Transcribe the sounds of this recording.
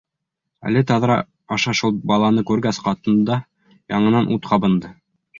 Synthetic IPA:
æ̰lɘt̪ɑðɾɑ | ɑʃɑʃulˠbɑlˠɑnɤkʉɾɡæsqɑt̪ɤ̆nd̪d̪ɑ | jɑɴɤ̆nɑnʔut̪qʰɑbɤ̆nd̪ɤ

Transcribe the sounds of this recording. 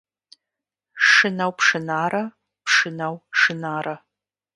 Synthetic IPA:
ʂɨnawpʰʂɨnaːɾɐ | pʰʂɨnawʂɨnaːɾɐ

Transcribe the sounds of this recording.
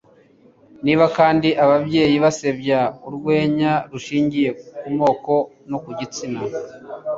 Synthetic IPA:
niːβakaːndiʔaβabɟe̞ːjiβase̞bjauɾɡwe̞ːɲaɾuʃiːɲɟije̞kumo̞ːko̞ | nokuɟit͡sina

